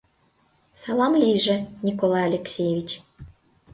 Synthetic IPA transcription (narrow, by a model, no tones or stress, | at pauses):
sɑlˠɑmlʲiʒĕnʲikolˠɑjalʲeksʲejevʲit͡ɕ